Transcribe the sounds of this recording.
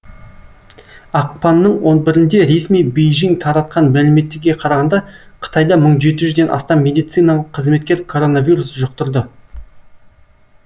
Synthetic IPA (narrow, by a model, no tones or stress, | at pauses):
ɑq̚pɑnːəɴwo̞nbɪɾɪnd̪e̞ɾe̞smijbejʒiŋt̪ʰɑɾɑt̪̚qɑnmælɪme̞t̪ːɪɾɡʲe̞qʰɑɾɑʁɑnd̪ɑqʰə̥t̪ɑjd̪ɑməɴʒe̞t̪ɪʒʏzd̪e̞nʔɑ̰st̪ɑmːe̞d̪ijt̪sijnɑlˠəqʰːəzme̞t̪̚kʲe̞ɾkʰo̞ɾo̞navʲiɾusʒʊq̚t̪əɾd̪ə